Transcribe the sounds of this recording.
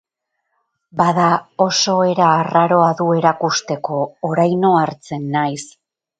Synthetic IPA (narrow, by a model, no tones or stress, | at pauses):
baðao̞so̞e̞ɾaːraɾo̞aðue̞ɾakust̪e̞ko̞ːɾajno̞aɾt͡se̞nːajs